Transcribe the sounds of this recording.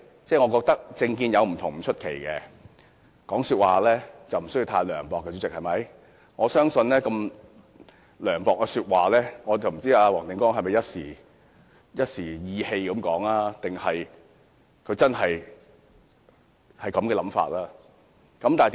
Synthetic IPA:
t͡sɛː˥˩ŋɔː˨˧kɔː˧k̚t̪ɐ˥k̚t͡sɪ˧ŋkiː˧njɐ˨˧wm̩˨˩t̪ʰʊ˨˩ŋm̩˨˩t͡ʃʰɵ˥t̚kʰḛ˨˩jkɛ˧ | kɔː˨˥ŋsyː˧t̚waː˨lɛː˥t͡sɐ˨wm̩˨˩sɵ˥ji˧wt̪ʰaː˧jlœː˨˩ŋpɔː˨kːɛː˧t͡sy˨˧˥t͡sɪ˨k̚hɐ˨jmɐ˨˧˥j | ŋɔː˨˧sœː˥ŋsɵ˧nlɛː˥kɐ˧m | lœː˨˩ŋpɔː˨kːɛː˧syː˧t̚waː˨lɛː˥ŋɔː˨˧t͡sɐ˨wm̩˨˩t͡siː˥aː˧wɔː˨˩ŋt̪ɪ˨˧ŋkɔː˥ŋɦɐ˨˩jmɐ˨jɐ˥t̚siː˨˩ | jɐ˥t̚siː˨˩jiː˨˧he˧jkɐ˨˧˥mkɔː˨˥ŋlaː˥t̪ɪ˨ŋhɐ˨j | kʰɵ˨˧t͡sɐ˥nɦɐ˨j | hɐ˨˩jkɐ˨˥mkɛː˧lɐ˨˧˥mfa̰ː˧t̚laː˥ | kɐ˨˥mt̪aː˨˩t

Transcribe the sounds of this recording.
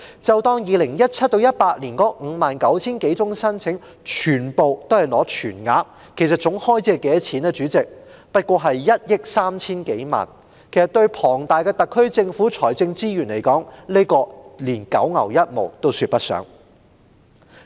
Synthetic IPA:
t͡sɐ˨wt̪ɔː˧ŋjiː˨˧lɪ˨˩ŋjɐ˥t̚t͡sʰɐ˥t̚t̪o˧wjɐ˥t̚paː˧k̚liː˨˩nkɔː˥ŋ̩˨˧maː˨nkɐ˨˥wt͡sʰiː˥nke˨˥jt͡sʊ˥ŋsɐ˥nt͡sʰɪ˨˥ŋ | t͡ʃʰyː˨˩npo˨wt̪o˥whɐ˨jlɔː˨˥t͡ʃʰyː˨˩nŋa̰ː˨˧˥k | kʰe˨˩jsɐ˨t̚t͡sʊ˨˥ŋhɔː˥jt͡sɛː˧kːɛː˨˥t͡sʰiː˨˥nɛː˧t͡ʃyː˨˥t͡sɪ˨k̚ | pɐ˥t̚kʷɔː˧ɦɐ˨jːɐ˥t̚jɪ˥k̚saː˥mt͡sʰiː˥nke˨˥jma̰ː˨˩n | kʰe˨˩jsɐ˨˩t̪ɵ˧ɥpʰɔː˨˩ŋt̪aː˨jkɛː˧t̪ɐ˨kʰːɵ˥ɥt͡sɪ˧ŋfuː˨˥t͡sʰɔː˨˩jt͡sɪ˧ŋt͡siː˥jyː˨˩nle˨˩jkɔː˨˥ŋle˥jkɔː˧liː˨˩nkɐ̰˨˥wŋɐ̰˨˩wjɐ˥t̚mo̰˨wt̪o˥wsyː˧t̚pɐ˥t̚sœ̰ː˨˥ŋ

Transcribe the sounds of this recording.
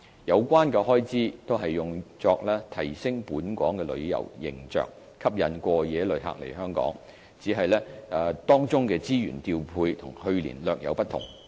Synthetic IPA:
jɐ˨˧wkʷaː˥nkɛː˧ɦɔː˥jt͡siː˥t̪o˥wɦɐ˨jːʊ˨ŋt͡sɔː˧k̚lɛː˥t̪ʰɐ˨˩jsɪ˥ŋpuː˨˥nkʷɔː˨˥ŋkɛː˧lɵ̰˨˧ɥjɐ̰˨˩wjɪ̰˨˩ŋt͡sœ̰ː˨k̚ | kʰɐ˥p̚jɐ˨˥nkʷɔː˧jɛː˨˥lɵ˨˧ɥɦa̰ː˧k̚lḛ˨˩jɦœː˥ŋkɔ̰ː˨˥ŋ | t͡siː˨˥ɦɐ˨jlɛː˥˧t̪ɔː˥ŋt͡sʊ˥ŋkɛː˧t͡siː˥jyː˨˩nt̪iː˧wpʰuː˧jt̪ʰʊ˨˩ŋhɵ˧ɥlḭː˨˩nlœː˨k̚jɐ˨˧wpɐ˥t̪ʰʊ̰˨˩ŋ

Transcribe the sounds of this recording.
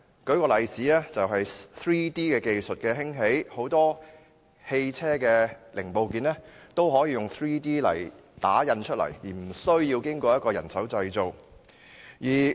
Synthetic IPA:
kɵ˨˥ɥkɔː˧lɐ˨jt͡siː˨˥ɛː˥t͡sɐ˨wɦɐ˨jθɹiː˥t̪iː˥kɛː˧ke˧jsɵ˨t̚kɛː˧ɦɪ˥ŋɦe˨˥jho˨˥wt̪ɔː˥ | he˧jt͡sʰɛː˥kɛː˧lɪ˨˩ŋpo˨wkiː˨˧nɛː˥ | t̪o˥wɦɔː˨˥jiː˨˧jʊ˨˩ŋθɹiː˥t̪iː˥lɐ̰˨˩jt̪a̰ː˨˥jɐ˧nt͡ʃʰɵ˥t̚lɐ̰˨˩jjiː˨˩m̩˨˩sɵ˥ɥji˧wkɪ˥ŋkʷɔː˧jɐ˥t̚kɔː˧jɐ̰˨˩nsɐ˨˥wt͡sɐ˧jt͡so˨w | jiː˨˩

